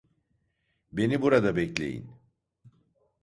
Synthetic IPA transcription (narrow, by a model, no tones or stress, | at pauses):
be̞nibuɾad̪abɛclʲe̞̰jḭn